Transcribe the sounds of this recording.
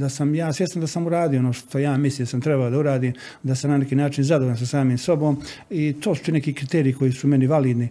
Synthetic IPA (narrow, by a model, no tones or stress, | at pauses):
d̪asamjaːsʋjest̪and̪asamuɾaːd̪ijoonoːʃt̪o̞jaːmislimd̪asamt̪ɾebalod̪auɾaːd̪iːm | d̪asamnanekiːnaːt͡ʃinzad̪oɾans̬asaːmiːmso̞boːm | it̪ʰoːsut̪inekiːkɾit̪eːɾijiko̞jisume̞niʋaliːd̪ni